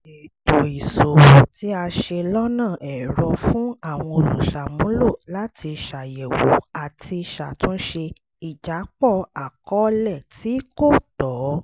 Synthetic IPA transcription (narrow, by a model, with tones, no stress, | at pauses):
e˨do˨i˨so˨ti˦a˧ʃe˧lɔ˦nã˦˨ʔɛ˨ɾɔ˧fũ˦a˦˨w̃ɔ̃˧o˨lṵ̃˨ʃa˨mũ˨˦lo˦˨la˦ti˧ʃa˨jɛ˨wo˨a˨ti˧ʃa˨tũ˦ʃe˧ | i˨d͡ʒa˨˦k͡pɔ˦˨a˨kɔ˨˦lɛ˦˨ti˨˦ko˦˨tɔ˨˦